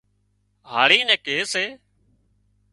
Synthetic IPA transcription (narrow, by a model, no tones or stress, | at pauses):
ɦaːɭiːnɛ̃ːkeːseː